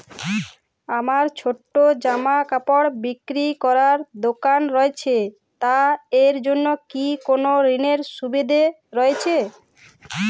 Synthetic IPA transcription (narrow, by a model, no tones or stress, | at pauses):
amaɾt͡ɕʰoʈːod͡ʑamakapoɽbikɾikɔɾaɾd̪okanɾɔet͡ɕʰe | t̪aeɾd͡ʑonːokikonoɾineɾʃubid̪ʱe | ɾɔet͡ɕʰe